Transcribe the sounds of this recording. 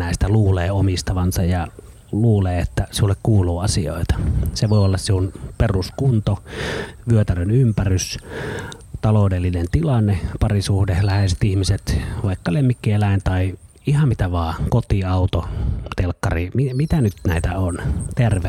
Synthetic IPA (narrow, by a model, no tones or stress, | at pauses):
næˑist̪æluːleːomist̪ɑʋɑnsɑjjɑ | luːleːet̪ːæsiulːekkuːluːɑsio̰ˑit̪ɑ̥seʋoˑiolːɑssiunperuskunt̪oʋyøt̪ærenympærys | t̪ɑloˑudelːinent̪ilɑnːepɑrisuhdehlæheset̪ihmiset̪ʋɑˑikːɑlemːikːielæˑent̪ɑˑi | ihɑmmit̪æʋɑːkot̪iɑˑut̪ot̪elkːɑrimimit̪ænyt̪næˑit̪æont̪erʋe